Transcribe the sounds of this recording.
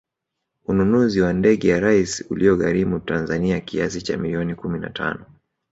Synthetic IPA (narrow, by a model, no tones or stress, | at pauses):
ununuziwandɛɠɛjaɾaisiṵliɔɣaɾimutanzaniakiasit͡ʃamiliɔnikumina̰tʰa̰nɔ